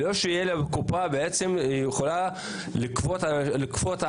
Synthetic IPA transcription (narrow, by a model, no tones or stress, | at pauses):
loʃeijelabekupabeet͡se̞mijeχola | likvot̪alikvot̪a